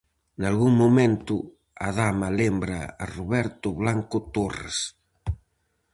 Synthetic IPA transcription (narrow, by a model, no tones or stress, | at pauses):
nalɣuŋmumẽnt̪ʊ | aðamɐlembɾɐ̰a̰ruβɛɾt̪ʊβlaŋkʊt̪orḛs